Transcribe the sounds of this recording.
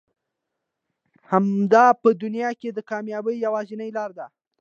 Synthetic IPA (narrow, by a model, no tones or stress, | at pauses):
hamd̪ɑpəd̪ʊnjɑked̪əkɑmjɑbəjːawɑzɪnəjlɑɾd̪a